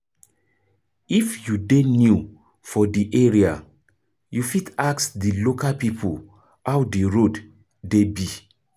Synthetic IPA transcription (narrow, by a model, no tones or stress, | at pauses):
ifjudenju | fɔdiʔeɹia | jufitaksdilokalpipʰol | awdeɹod | debi